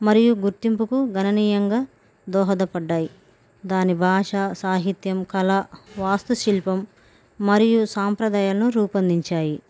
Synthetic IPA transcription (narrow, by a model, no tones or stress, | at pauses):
mɐɾijuɡuɾt̪impukuɡɐnɐniːjɐŋɡaː | d̪ɔːɦɐd̪ɐpɐɖːaːji | d̪aːnibʱaːʂaːsaːɦit̪jɐmkɐlɐʋaːst̪uʃilpɐmː | ɐɾijusaːmpɾɐd̪aːjaːlɐnuɾuːpɐnd̪iɲt͡ʃaːji